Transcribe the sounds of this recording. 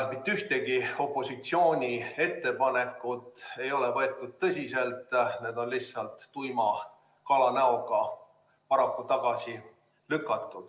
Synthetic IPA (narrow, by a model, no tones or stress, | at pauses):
mit̪ːyht̪e̞ɡio̞pˑːo̞sit̪sio̞ːnʲie̞t̪ːe̞pɑne̞kːˑut̪ˑe̞jo̞le̞vɤ̞e̞t̪ːˑud̪̥̚t̪ɤsʲise̞lt̪ˑneːd̪o̞nlihssɑlt̪ːujmɑ | kɑlɑnæo̞ɡ̥ɑ | pɑɾɑkːut̪ɑɡ̥ɑsi | lykːˑɑt̪ːˑud̪̥